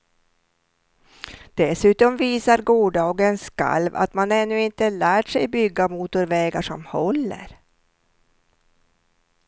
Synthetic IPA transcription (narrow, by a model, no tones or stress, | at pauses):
d̪̥ɛsʉ̟ːt̪ɔmviːsaɾɡuːɖɑːɡənska̰lva̰t̪manɛnːɵɪnt̪əlæːʈʂɛjbʏɡːamuːt̪ʊɾvɛːɡaʂɔ̰mhɔlːə̰ɾ